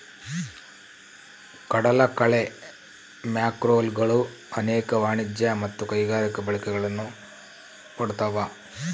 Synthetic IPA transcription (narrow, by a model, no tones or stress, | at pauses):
kɐɽɐlɐkɐɭe | mjaːkɾoːlɡɐɭu | ɐneːkɐʋaːɳid͡ʒjɐmɐt̪ːukɐjɡaːɾikɐbɐɭikɛɡɐɭɐnːu | kɐɽut̪ɐʋɐ